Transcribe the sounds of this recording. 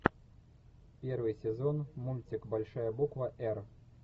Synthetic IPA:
pʲɛrvɨjsʲɛzɔnmulʲt͡sʲikbalʲʂajɐbukvɐʔɛr

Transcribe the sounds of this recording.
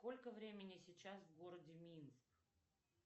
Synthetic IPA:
sko̞lʲkəvɾʲemʲɪnʲɪsʲɪt͡ɕːasvɡoɾədʲɪmʲinsk

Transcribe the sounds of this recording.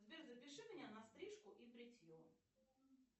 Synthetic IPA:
zʲbʲɛɾzɐpʲɪʂɨmʲnʲanɐst̪ɾʲiʂkʊʔipɾʲɪtʲju

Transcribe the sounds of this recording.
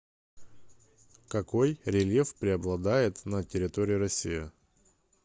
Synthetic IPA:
kɐko̞jɾʲɪlʲjefpɾʲɪɐblˠɐd̪ajɪt̪nətʲɪɾʲɪt̪oɾʲɪɪɾɐsʲːijə

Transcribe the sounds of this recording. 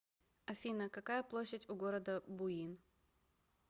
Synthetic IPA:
ɐfʲinəkɐkajəplˠoɕːətʲʊɡo̞ɾəd̪əbʊin

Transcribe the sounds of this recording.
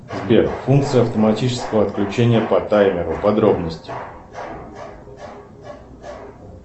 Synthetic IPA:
zbʲerfunk̚t̪sɨjəɐft̪əmɐtʲit͡ɕɪ̥skəvəɐt̪klʲʉt͡ɕenʲɪjəpɐt̪ajmʲɪɾʊpɐd̪ɾo̞bnəsʲtʲɪ

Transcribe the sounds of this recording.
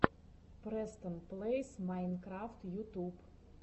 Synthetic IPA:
pɾɛst̪ənplˠejsmajnkɾaft̪jut̪ʲub

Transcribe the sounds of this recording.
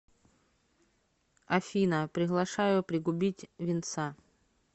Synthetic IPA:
ɐfʲinəpɾʲɪɣlˠɐʂajʊpɾʲɪɡʊbʲitʲvʲɪnt̪sa

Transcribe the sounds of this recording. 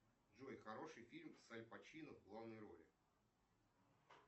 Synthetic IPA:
ʐojxɐɾo̞ʂɨjfʲilʲmfsalʲpɐt͡ɕinəvɡlˠavnəjɾo̰lʲɪ̰

